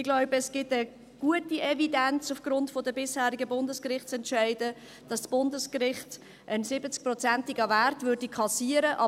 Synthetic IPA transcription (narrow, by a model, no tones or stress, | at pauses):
ɪɡlɔʊbəɛsɡ̥ɪtə | ɡ̥uətiɛvidænt͡sufɡ̥ɾʊntfɔdəbɪshæːɾiɡəbʊndəskrɪχt͡sɛntʃæɪdə | d̥ɑssb̥ʊndəskrɪχt | ʔənsɪbət͡sk̚prɔt͡sæntiɡəværtvʏɾdikʰɑsiəɾəʔɑ